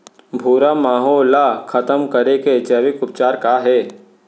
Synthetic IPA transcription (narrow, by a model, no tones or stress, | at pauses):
bʱuːɾamaːɦoːlakʰɐt̪əmkɐɾeket͡ʃɐːʋɪkʊp̚t͡ʃaːɾkaɦɛː